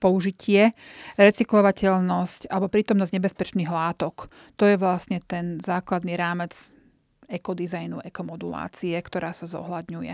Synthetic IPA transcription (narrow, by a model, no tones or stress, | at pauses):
pɔuʒicʰɪɛɾɛt͡siklɔʋacɛʎnɔscalɛbɔpɾiːt̪ɔmnɔzɟɲɛbɛspɛt͡ʃniːɣlaːt̪ɔk | t̪ɔjɛʋlasɲɛt̪ɛnzaːklad̪niɾaːmɛd͡z | ɛkɔd̪izajnuʔɛkɔmɔd̪ula̰ːt͡siɛkt̪ɔɾaːsazɔ̰ɦlad̪ɲujɛ̰